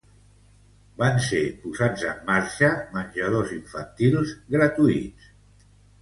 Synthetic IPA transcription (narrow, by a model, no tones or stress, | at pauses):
bansepuzad͡zəmːaɾʃəmənʲʒəð̞oziɱfənt̪ilˠzɣɾət̪uit͡s